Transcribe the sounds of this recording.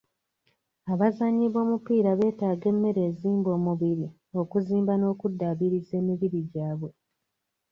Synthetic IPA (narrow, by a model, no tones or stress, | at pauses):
aβazaɲːiβo̞ːmupiːɾaβe̞ːtaːɡe̞mːe̞ɾe̞ːziːmbo̞ːmuβiɾi | o̞kuziːmbano̞ːkudːaβiɾize̞ːmiβiɾiɟaːβwe̞